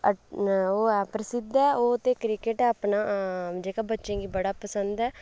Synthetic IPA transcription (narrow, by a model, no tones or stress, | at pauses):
oːɛːpɾəsɪd̪ɛːoːt̪eːkɾɪkeʈɛːaːpnaːd͡ʒeːkaːbətːʃẽːɡiːbəɽaːpəsənd̪ɛː